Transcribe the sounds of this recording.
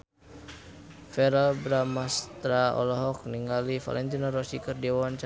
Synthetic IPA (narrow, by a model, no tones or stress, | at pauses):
fɛɾalbɾamast̪ɾaɔ̰lɔɦɔk̚niŋɡalifa̰lɛnt̪inaɾɔsikərdɛwant͡ʃa